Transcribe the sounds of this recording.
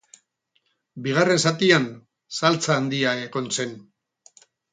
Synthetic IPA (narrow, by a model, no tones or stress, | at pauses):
biɣ̞are̞nsat̪ian | salt͡saːnd̪iaeko̞nse̞n